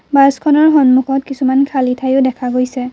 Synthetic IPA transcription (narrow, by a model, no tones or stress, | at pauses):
baskʰɔnɔɹɦɔnmukʰɔtkisumankʰalitʰajʊdɛkʰaɡojsɛ